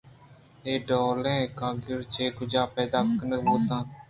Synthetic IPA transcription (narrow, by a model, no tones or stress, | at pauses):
eːɖoːlẽːkãːɡjʊɾt͡ʃeːkʊd͡ʒaːpɛːd̪aːkənəɦoːt̪ãː